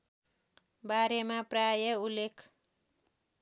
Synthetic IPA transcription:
baɾemaprajʌulːekʰ

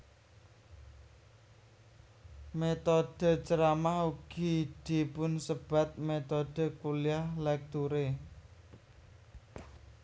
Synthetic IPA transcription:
met̪od̥ə̤t͡ʃəɾamahuɡ̥id̪̥i̤pʊnsəb̥ä̤t̪̚met̪ɔd̥ə̤kuliahlɛk̚t̪uɾe

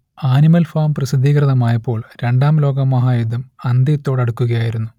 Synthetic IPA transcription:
aːnimɐlfaːmprɐsid̪ʱːiːkrɐðɐmaːjɐpːo̞ːɭɾeɳɖaːmlo̞ːɡɐmːɐɦaːjud̪ʱːɐmɐnd̪ijɐt̪ːo̞ːɽɐɽukːuɣɐjaːjiɾunːu

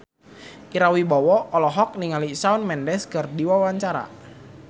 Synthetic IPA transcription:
ʔiɾawibɔwɔɔlɔɦɔk̚niŋalisaʊnmɛndɛskərdiwawaɲt͡ʃaɾa̰

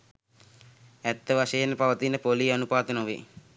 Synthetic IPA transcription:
ɛt̪ːəʋaʃejenpaʋət̪inəpolianupaːt̪ənoʋḭ

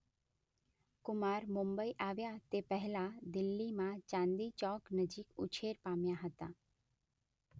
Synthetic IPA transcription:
kʊmaːɾmʊmbəiʔaʋjat̪epəɦɛlad̪ɪlːimãt͡ʃãnd̪it͡ʃɔːknəd͡ʒikʊ̰t͡ʃʰeɾpamjaɦət̪aː

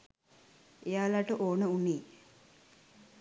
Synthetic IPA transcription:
ejaːlaʈəʔoːnəuniː

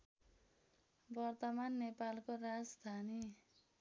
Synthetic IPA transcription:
bʌrt̪ʌmanːepalkorad͡zd̪ʱani

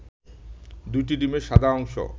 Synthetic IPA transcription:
d̪ujʈ̬iɖimeɾʃad̪ʱaɔŋʃo̰

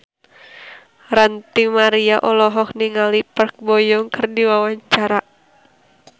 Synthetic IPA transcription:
ɾant̪imaɾiaʔɔlɔɦɔkniŋalipərk̚bɔjɔŋkɨrdiwawaɲt͡ʃaɾa

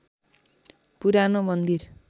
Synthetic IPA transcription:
puɾanomʌnd̪ir

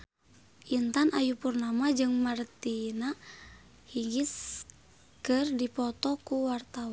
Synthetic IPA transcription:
ʔint̪anʔajupurnamad͡ʒɨŋmart̪ina | hiɡis | kɨrdipɔt̪ɔkuwart̪awa

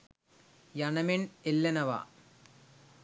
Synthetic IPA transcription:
jɐɳɐmenelːɐnɐʋa̰

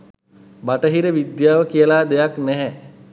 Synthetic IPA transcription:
baʈəɦiɾəʋid̪jaːʋəkijəlaːd̪ejaknɛɦɛ

